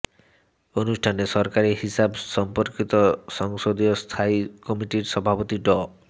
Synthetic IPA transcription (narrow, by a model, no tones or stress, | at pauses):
onusʈʰanesɔɾkaɾihisabsɔmpoɾkit̪ɔsɔŋsod̪iɔst̪ʰaikɔmiʈiɾsɔbʱapot̪iɖɔ